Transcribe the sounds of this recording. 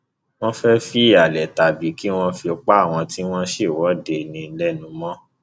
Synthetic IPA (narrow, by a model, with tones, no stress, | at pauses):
w̃ɔ̃˦fɛ˦fi˦i˦˨a˨lɛ˨ta˨bi˨˦ki˦w̃ɔ̃˦fi˧o˧k͡pa˦a˦˨w̃ɔ̃˧ti˦w̃ɔ̃˦ʃe˦˨wɔ˨˦de˧nĩ˧˦lɛ˦nũ˨˧mɔ̃˦